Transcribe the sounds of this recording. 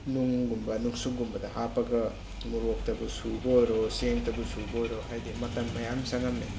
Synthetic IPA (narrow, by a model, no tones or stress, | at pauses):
nuŋɡumbɐnuŋsuk̚ɡumbɐdɐhapɐɡɐ | muɾok̚tɐbusubɐojɾoseŋtɐbusubɐojɾohajdimɐtɐŋmɐjamsaŋame